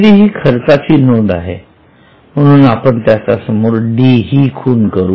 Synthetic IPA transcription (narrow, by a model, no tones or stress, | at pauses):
d̪iːɦiːkʰəɾt͡sat͡ɕiːnod̪a̰ɦḛ | m̤əɽ̃uːnapəɳt̪jat͡sasəmoːɾɖiːɦiːkʰuːnkəɾuː